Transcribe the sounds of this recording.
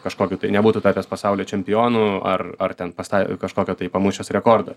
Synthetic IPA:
kɐʃkoːkʲut̪ɐɪnʲɛbuːt̪uːt̪ɑːtʲeːspɐsɑʊlʲeːt͡ʃʲɛmʲpʲɪjoːnuɐrɐrt̪ʲɛnpɐst̪ɐkɐʃkoːkʲoːt̪ɐɪpɐmʊʃʲoːsɾʲɛkoːrd̪ɐ

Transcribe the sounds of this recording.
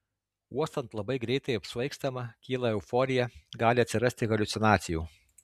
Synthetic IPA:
uɔst̪ɐnt̪lˠɐbɐɪɡɾʲɛɪt̪ɐɪɐpsʲʋɐɪkst̪ɐmɐkʲiːlˠɐɛʊfɔːɾʲɪjɛɡɑːlʲɪɐt̪sʲɪɾɐsʲt̪ʲɪɣɐlʲʊt̪sʲɪnɑːt̪sʲɪjuː

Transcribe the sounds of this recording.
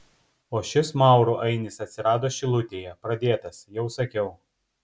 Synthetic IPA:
oːʃʲɪsmɑˑʊɾuʔɐɪnʲɪsɐt̪ʲsʲɪɾɑːd̪oːʃʲɪlˠʊt̪ʲeːjɛpɾɐd̪ʲeːt̪ɐsjɛʊsɐkʲɛʊ

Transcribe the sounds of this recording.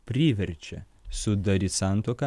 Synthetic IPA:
pʲɾʲiːʋʲɛɾʲt͡ʃʲɛ̰ | sʊd̪ɐɾʲisɐˑnt̪okɐ

